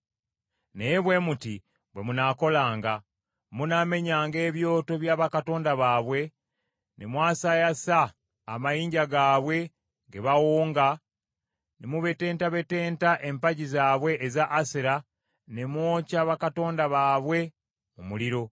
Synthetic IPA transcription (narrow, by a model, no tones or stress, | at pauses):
nejeβwe̞muti | βwe̞munako̞laːŋɡa | muname̞ɲaːŋɡe̞ːβjo̞ːto̞βjaːβakato̞ːndaβaːβwe̞ | nemwaːsajasaː | majiːɲɟaɡaːβwe̞ | ŋɡeβawuːŋɡa | nemuβe̞te̞ːntaβe̞te̞ːntaʔe̞mpaɟizaːβwe̞ʔːzaʔːsiɾa | nemwoːcaβakato̞ːndaβaːβwe̞ | mumuliɾo̞